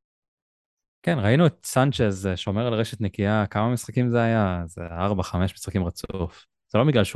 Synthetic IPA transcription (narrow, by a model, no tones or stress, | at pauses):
kenʁainuet̪sant͡ʃezʃo̞meʁalʁeʃet̪nekiakamamisχakimzeajazḛaʁbaχame̞ʃmisχakimʁat͡suf | z̥elo̞biɡlalʃ